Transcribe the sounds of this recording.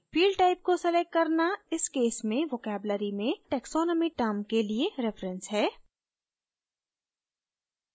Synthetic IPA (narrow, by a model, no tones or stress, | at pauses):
fiːɖʈaːɪp̚kosɛlɛk̚kɐɾnaɪskeːsmẽʋoːkɛːbləɾimẽʈɛːksɔːnɔmiʈəmkelieɾɪfɾə̃nsɦɛː